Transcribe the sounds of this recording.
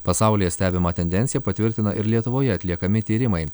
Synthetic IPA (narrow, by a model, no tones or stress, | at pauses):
pɐsɑˑʊlʲɪjɛsʲt̪ʲæːbʲɪmɑːt̪ʲɛnʲd̪ʲɛnʲsʲɪjɛpɐt̪ʲʋʲɪɾʲt̪ʲɪnɐʔɪɾlʲiɛt̪ʊʋoːjɛɐt̪ʲlʲiɛkɐmʲɪt̪ʲiːɾʲɪmɐɪ